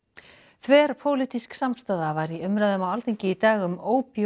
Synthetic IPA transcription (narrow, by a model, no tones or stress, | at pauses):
θʰvɛːɾ̥pʰoːwlit̪isksamst̪aːðavaɾiʏmɾaðʏmawalθiɲcɪit̪aːɣʏmoːwpj